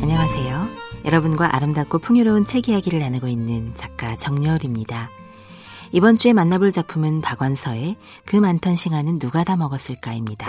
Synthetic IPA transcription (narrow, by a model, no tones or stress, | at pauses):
aɲaŋasʰe̞jojʌɾʌbunɡwaʔa̰ɾɯmdak͈opʰɯŋjuɾʌunt͡ɕʰe̞ɡiɦaɡiɾɯɾanɯɡoinːɯnt͡ɕak̚k͈at͡ɕʌŋɲʌɾimɲida | ibʌnt͡ɕ͈ue̞manːabɯɭt͡ɕak̚pʰumɯnpaɡwansʰʌe̞ | kɯmantʰʌnɕʰiŋanɯnːuɡadamʌɡʌs͈ɯɭk͈aimɲida